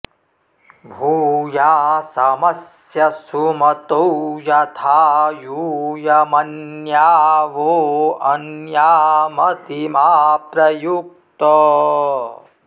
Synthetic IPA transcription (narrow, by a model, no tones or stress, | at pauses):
bʱuːjaːsɐmɐsjɐsumɐt̪owjɐt̪ʰaːjujɐmɐnjaːʋoːɐnjaːmɐt̪imaːpɾɐjuk̚ | t̪ɔ